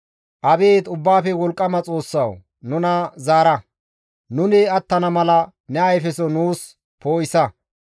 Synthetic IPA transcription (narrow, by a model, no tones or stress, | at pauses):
ʔɐbeːt̪ʊbːaːfɛwɔlkʼːɐmɐt͡sʼo̞ːsːɐw | nʊnɐzaːɾɐ | nʊnɪɐt̪ːɐnɐmɐlɐ | nɛɐjfɛsɔnuːs | po̞ːjɪsɐ